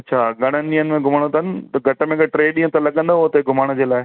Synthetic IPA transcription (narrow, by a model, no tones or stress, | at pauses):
ɐtːt͡ɕʰaːɡɐɽ̤̃ənɪ̆ɗĩːənɪ̆mẽɡʱʊməɽ̃ot̪ʰɐnɪ̆t̪ɐɡʱɐʈə̆mẽkʈɾeːɗĩːə̃t̪ɐlɐɠə̃nd̪oɦot̪ːɡʱʊmaːɽ̃d͡ʑeːlaːɪ